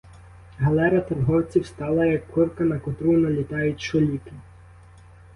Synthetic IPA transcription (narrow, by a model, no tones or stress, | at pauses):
ɦɐlˠɛɾɐt̪ɐrɦɔwt͡sʲiwst̪ɑlˠɐjɐkːɪwkɐnɐkɔt̪ɾunɐlʲit̪ɑjʊtʲt͡ʃɔlʲikɪ